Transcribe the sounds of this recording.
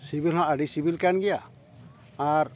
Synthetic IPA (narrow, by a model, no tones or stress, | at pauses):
sibilɦɔ̃ʔaɖisibilkanɡɛjaː | ɾ